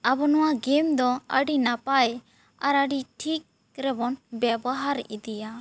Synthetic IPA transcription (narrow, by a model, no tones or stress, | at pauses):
abɔnɔwaɡɛmd̪ɔəɖinapaj | aɾəɖiʈʰik̚ | ɾɛbɔnbɛbɔɦaɾḭd̪ija